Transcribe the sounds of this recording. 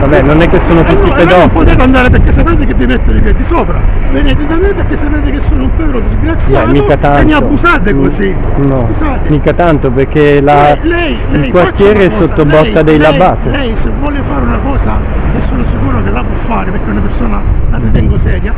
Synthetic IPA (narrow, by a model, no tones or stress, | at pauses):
vabɛnːonɛkːesːoːnot̪ust̪ːiped̪ɔumpɔd̪ik̪and̪aːɾep̬eɾkːesat̪ant̪ikevːimet̪ːod̪iped̪ːisɔːpɾa̰bened͡ʒut̪amepekːesːapeːt̪ekesːoːnoumpɛkɾod̪izɡɾat̪sːjaɛmiːkatt̪anmiabusad̪ekosi | nɔusa | miːkat̪ant̪operkelalɛj | ilkwart̪jɛːɾeɛsːot̪ːobɔt̪ːad̪ejlabaːt̪elɛjsevːɔːlefaːɾunakɔːsakesːoːnosikuːɾokelːapwɔfːaːɾepeɾkːeunapeɾsoːnalarːit̪ɛŋɡosɛːdja